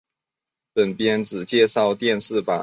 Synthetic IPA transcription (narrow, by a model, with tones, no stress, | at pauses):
pə˨˩npjɛ˥nt͡sɹ̩˨˩t͡ɕjɛ˥˧ʂɑ˥˧ʊt̪jɛ˥˧nʂɹ̩˥˩pa˨˩